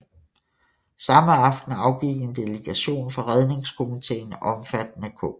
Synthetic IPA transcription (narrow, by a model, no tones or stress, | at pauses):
sɑ̈məɑ̈fd̥n̩ɑ̈ʊɡ̥iɡ̥e̝nd̥e̝ləɡ̥æɕo̝̰ːnfɑ̈ʁɛð̞ˠne̝ŋskʰo̝mit͡sʰḛːnɒ̽mfæd̥nəkʰɔ